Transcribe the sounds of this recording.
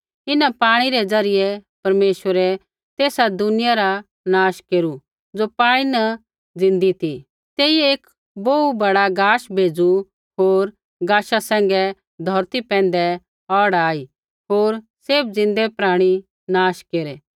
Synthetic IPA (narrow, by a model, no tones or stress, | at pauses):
ɪnapaːɽ̃iɾɛd͡zɐɾɪjɛpɐɾmeːʃʋəɾɛ | t̪eːsad̪ʊnɪjaɾa | naːʃkeːɾu | d͡zopãːinɐ | d͡zɪ̃nd̪it̪i | t̪eːieːk | boubɐɽaɡaːʃbʱeːd͡zu | ɦoːɾ | ɡaːʃasɛ̃ːŋ̆ɡɛ | d̪ʱɔɾt̪ipɛ̃ːn̆d̪ɛ | ɔːɽaːi | ɦoːɾ | seːb̚d͡zɪ̃nd̪ɛpɾaːɽ̃i | naːʃkeːɾɛ